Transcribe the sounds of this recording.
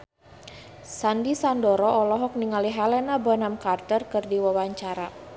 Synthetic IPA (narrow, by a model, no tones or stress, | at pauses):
sandisandɔɾɔʔɔlɔɦɔk̚niŋaliɦalɛnabɔnamkart̪ərkɨrdiwawaɲt͡ʃaɾa